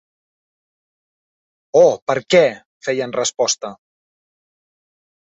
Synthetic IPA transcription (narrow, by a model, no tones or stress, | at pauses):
ɔpəɾkɛ | fɛjənrəspɔst̪ə